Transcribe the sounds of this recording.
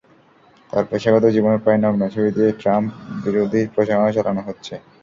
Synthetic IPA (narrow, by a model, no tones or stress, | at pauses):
t̪aɾpɾeʃaɡɔt̪od͡ʑiboneɾpɾajnɔɡnat͡ɕʰobid̪ieʈɾampbiɾod̪ʱipɾoʃaŋet͡ɕalanoɦotːɕʰe